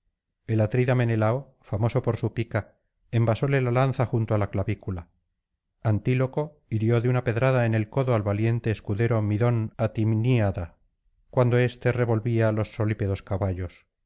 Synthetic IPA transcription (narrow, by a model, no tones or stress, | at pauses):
e̞lat̪ɾiðame̞ne̞lao | famo̞so̞po̞ɾsupika | embaso̞lelalan̟θaxunt̪oalaklaβikula | ant̪ilo̞ko̞ | iɾjoðeunape̞ðɾaðaene̞lko̞ðoalβalje̞nt̪eːskuðe̞ɾo̞miðo̞nat̪imniaða | kwand̪o̞e̞st̪e̞re̞βo̞lβialo̞sːo̞lipeðo̞skaβaʎo̞s